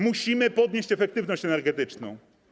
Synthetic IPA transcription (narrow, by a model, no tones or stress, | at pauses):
muɕimɘpɔd̪ɲeɕt͡ɕɛfɛk̚t̪ɘvnɔɕt͡ɕɛnɛɾɡɛt̪ɘt͡ʂnɔ̰̃w̃